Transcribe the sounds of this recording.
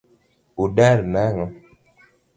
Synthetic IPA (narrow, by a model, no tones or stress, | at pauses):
uɗaɾnaŋɔ